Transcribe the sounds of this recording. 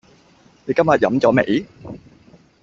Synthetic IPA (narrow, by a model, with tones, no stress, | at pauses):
ne˨˩kɐ˥ma˨˩jɐ̰˨˥˦mt͡sɔː˨˦˥mḛ˨˩˥j